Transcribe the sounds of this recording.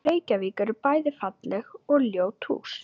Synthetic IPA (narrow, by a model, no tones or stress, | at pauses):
eːjcaviːkaɾpaːjðɪfat̪lɛɣɔɣljoːwt̪ʰhṵːs